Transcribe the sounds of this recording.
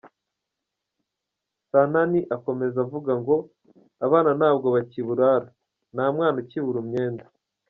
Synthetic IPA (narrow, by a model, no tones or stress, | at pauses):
sananiʔako̞me̞zavuɡaŋɡo̞ | aβaːnanaːb̚ɡo̞βaciβuɾaːɾa | naːmŋaːnaciβuɾumɲe̞ːnda